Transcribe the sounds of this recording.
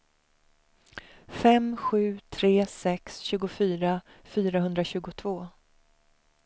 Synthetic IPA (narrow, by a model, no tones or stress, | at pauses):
fɛmɧʉ̟ːt̪ʰɾeːsɛksɕʉːɡʊfyːɾa | fyːɾahɵnd̪ɾaɕʉ̟ːɡʊt̪ʰvoː